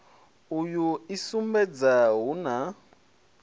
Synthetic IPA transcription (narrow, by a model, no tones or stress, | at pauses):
ujuisumbɛd͡zaɦuna